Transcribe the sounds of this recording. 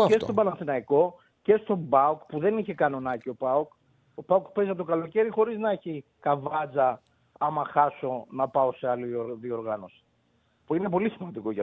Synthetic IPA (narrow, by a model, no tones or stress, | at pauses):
cest̪o̞bɐnɐnθinɐiko̞ | ce̞st̪o̞bɐokpuðe̞niçe̞kɐno̞nɐcio̞pɐok | opɐokpe̞zɐp̚t̪okɐlo̞ce̞ɾixo̞ɾiznɐeçi | kɐvɐd͡zɐ | ɐmɐxɐso̞nɐpɐo̞se̞ɐlioɾðio̞ɾɣɐno̞si̥ | puine̞p̬o̞lisimɐnd̪iko̞ʝɐ